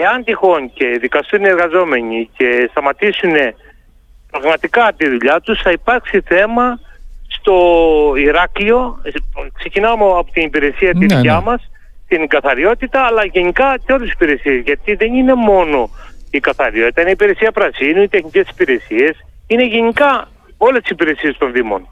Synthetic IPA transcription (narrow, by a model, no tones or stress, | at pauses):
eɐnt̪ixo̞nce̞ðikɐst̪une̞ɾɣɐzo̞me̞ɲice̞st̪ɐmɐt̪isune̞ | pɾɐɣmɐt̪ikɐt̪iðuʎɐt̪usθɐipɐɾksiθe̞mɐst̪o̞iɾɐklio̞kse̞cinɐmoɐpot̪inipiɾe̞siɐt̪iðucɐmɐs | t̪inɡɐθɐɾio̞t̪it̪ɐːlɐʝe̞ɲikɐseolesipiɾe̞siezʝɐt̪iðe̞ninemo̞no̞ikɐθɐɾio̞t̪it̪ɐineipiɾe̞siɐpɾɐsinuit̪e̞xnice̞si̥piɾe̞sie̞sine̞ʝeɲikɐ | olest̪i̥sipiɾe̞sie̞st̪o̞nðimo̞̰n